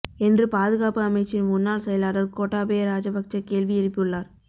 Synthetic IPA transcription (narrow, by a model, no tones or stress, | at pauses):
ɛndrɯpaːðɯɣaːpɯɐmɐɪt͡ʃːɪnmʊnːaːlsɛjɐlaːɽɐlkoːʈːaːpejɐɾaːd͡ʒɐbɐk̚t͡ʃɐkːeːlʋiɪɾɪpːɪɯɭːaːɾ